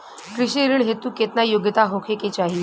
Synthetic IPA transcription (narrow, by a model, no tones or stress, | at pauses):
kɾiɕiɾiɳɦet̪uːket̪najoɡjət̪aɦokʰeket͡ɕaɦi